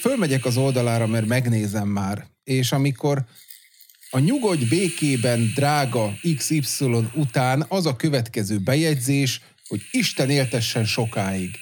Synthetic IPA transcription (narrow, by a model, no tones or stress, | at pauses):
følmɛɟɛkɒzo̞ld̪ɒlaːɾɒmɛrmɛɡneːzɛmːaːr | eːʃɒmiko̞ɾ | ɒɲuɡo̞d̪beːkeːbɛnd̪raːɡɒiksipsilo̞nut̪aːnɒzɒkø̞vɛt̪kɛzøːbɛjɛɟzeːʃ | ho̞ɟiʃt̪ɛneːlt̪ɛʃːɛnʃo̞kaːiɡ